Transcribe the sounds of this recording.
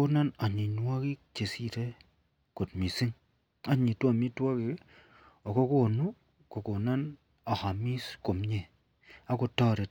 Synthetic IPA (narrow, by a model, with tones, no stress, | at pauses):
o˦na˦na˨ɲi˨nwa˦ki˦kt͡ʃe˨si˦te˦ | ko˨tmi˨si˦ŋ | a˦ɲi˨twa˦˨mi˦twɔ˦ki˨˦ | ɔ˨ko˦ko˦˨nu˦ | ko˨ko˨na˦n | a˨ha˨mi˦sko˨mɲe˨ | a˦ko˨tɔ˦ɾe˨t